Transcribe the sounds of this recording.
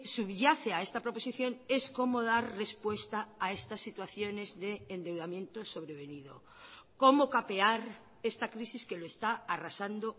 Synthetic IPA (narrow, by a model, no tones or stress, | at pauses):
suβʝaθeaest̪apɾopo̞siθjo̞ŋe̞skomoð̞aɾrespwe̞st̪aːest̪asːit̪waθjone̞zðeːnd̪e̞wðamjent̪oso̞βɾeβ̞enið̞o̰ | komokapeaɾ | est̪akɾisiskeloest̪aarasand̪o